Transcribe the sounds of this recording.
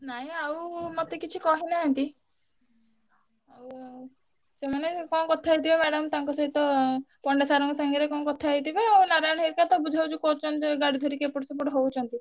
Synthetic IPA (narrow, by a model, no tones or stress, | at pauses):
naɦĩawmɔt̪ekit͡ʃʰikɔɦinaɦɔnt̪i | aw | semanekɔnkɔt̪ʰaajt̪ibemɛɽɔmt̪aŋkɔsɔɦit̪ɔpɔɳɖesaɾɔŋkɔsaŋɡiɾekɔnkɔt̪ʰaajt̪ʰibeawnaɾajɳ̃ɦiɾkat̪ɔbud͡ʒʱawt͡ʃʰukot͡ʃɔnt̪ɡaɽid̪ʱɔɾikepuʈsɔp̬uʈɦowt͡ʃʰɔnt̪i